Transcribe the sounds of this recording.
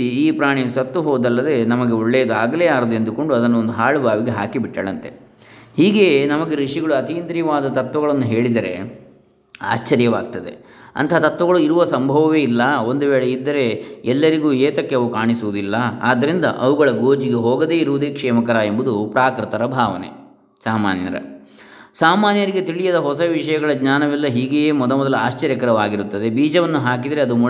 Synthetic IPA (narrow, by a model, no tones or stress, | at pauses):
iiːpɾaːɳisɐt̪ːuɦoːd̪ɐlːɐd̪e̞nɐmɐɡe̞oɭːeːd̪uaːɡɐleːaːɾɐd̪end̪uko̞ɳɖuɐd̪ɐnːuond̪uɦaːɭubʱaːʋiɡe̞ɦaːkibiʈːɐːɭɐnt̪e̞̰ | hiːɡe̞ːnɐmɐɡe̞ɾiʂiɡɐɭuɐt̪iːnd̪ɾiʋaːd̪ɐt̪ɐt̪ʋɐɡɐɭɐnːuɦe̞ːɭid̪ɐɾe̞̰ | a̰ːt͡ʃːɐɾjɐʋaːɡ̚t̪ɐd̪e̞̰ | ɐ̰nt̪ɐɦɐt̪ɐt̪ʋɐɡɐɭuiɾuʋɐsɐmbʱɐʋɐʋe̞ilːɐo̞nd̪uʋeːɭeid̪ːɐɾe̞ɛlːɐɾiɡuːeːt̪ɐkːe̞ɐʋukaːɳisuʋud̪ilːɐa̰ːd̪ːɐɾind̪ɐ̰ʔɐʋuɡɐɭɐɡoːd͡ʒiɡeɦoːɡɐd̪e̞ːiɾuʋud̪eːkʂɛːmɐkɐɾaːe̞mbud̪upɾaːkɾɯt̪ɐɾɐbʱaːʋɐnḛ | saːma̰ːnjɐ̰ɾɐ̰ | saːmaːnjɐɾiɡe̞t̪iɭijɐd̪ɐɦɔsɐʋiʂɐjɐɡɐɭɐɡɲaːnɐʋilːɐɦiːɡejeːmɔd̪ɐmɔd̪ɐlɐaːʃt͡ʃɐɾjɐkɐɾɐʋaːɡiɾut̪ːɐd̪e̞biːd͡ʒɐʋɐnːuɦaːk̬id̪ɐɾeɐd̪umu